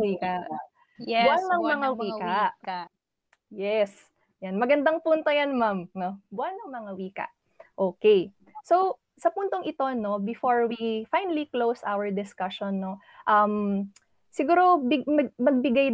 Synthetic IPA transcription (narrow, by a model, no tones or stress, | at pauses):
iːka | bʊʔanːɐŋmɐŋawiaʔ | jɛs | janmɐɡɐnd̪aŋpunt̪ojanmamnobʊʔanːɐŋmɐŋawiːkɐ̰ʔ | ʔoːkɛj | sow | sɐpunt̪o̞ŋʔɪt̪o̞no̞bɪfoɹwifajnɐliklowsʔa̰wɐɹd̪ɪskɐʃonːo | ʔɐm | sɪɡuːɾo̞bɪmɐmɐɡ̚bɪɡaj